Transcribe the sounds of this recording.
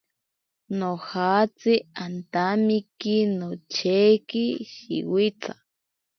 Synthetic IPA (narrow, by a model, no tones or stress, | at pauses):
nohaːt͡siant̪amikinot͡ʃʰekiʃḭwit͡ɬa